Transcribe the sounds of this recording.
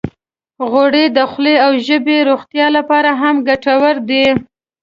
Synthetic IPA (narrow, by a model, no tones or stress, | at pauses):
ɣoɽed̪əxleawʒəbeɾoxt̪jɑlapɑɾaɦamɡaʈawəɾd̪e